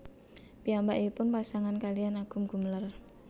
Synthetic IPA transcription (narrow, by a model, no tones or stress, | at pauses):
piambaʔipʊnpasaŋankalijanaɡ̥ṳmɡ̥ṳmlər